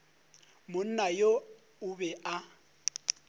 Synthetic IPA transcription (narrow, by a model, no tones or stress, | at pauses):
mʊn̩najo | ʊbɛa